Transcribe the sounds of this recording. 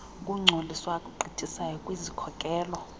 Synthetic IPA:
kʼuŋ͡ǀʱoliswakʼuǃʱitʰʼisajɔkʼwizikʰɔkʼɛːlɔ

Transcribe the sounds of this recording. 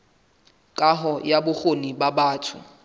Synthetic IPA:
kʼaɦɔjabʊχonibabaːtʰʊ̰

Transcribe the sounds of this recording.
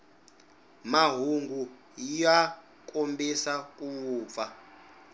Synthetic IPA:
maɦuŋɡu | jija | kʼombisak̬ʼuːp̪fa

